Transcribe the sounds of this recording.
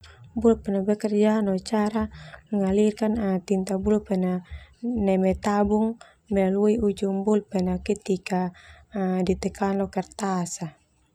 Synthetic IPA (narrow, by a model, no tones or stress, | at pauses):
bulpɛnabɛkərd͡ʒanɔt͡ʃaɾamɛŋalirkanat̪int̪abulpɛnanɛmɛt̪abuŋ | mɛlaluiud͡ʒumbulpɛnakit̪ika | dit̪ɛkanlɔkɛrt̪asa